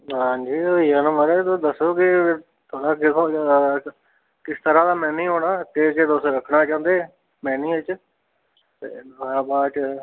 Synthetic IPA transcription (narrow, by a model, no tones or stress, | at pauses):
ɦãːd͡ʒiːoːiːaːnəməɾeːt̪od̪əsːoːkɪ | t̪ʰoːɽaːkɪsʰo | kɪst̪əɾãːd̪aːmɛ̃ːnĩːɦoːɽaːkɪt͡ʃet̪ʊsɾəkʰnaːt͡ʃãːnd̪eː | mɛ̃ːnĩːɪt͡ʃ | t̪ḛːəaːbaːʈ